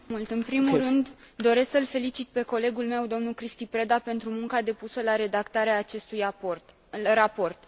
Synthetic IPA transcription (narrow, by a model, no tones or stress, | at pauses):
mult̪ɨnpɾimurɨnd̪ | d̪o̞ɾe̞sksəlfe̞lit͡ʃit̪̚pe̞ko̞le̞ɡulme̞wd̪o̞mnulkɾist̪ipɾe̞d̪ape̞nt̪ɾumuŋkad̪e̞pusəlaɾe̞d̪akt̪aɾeaːt͡ʃe̞st̪uj | ɾapo̞rt̪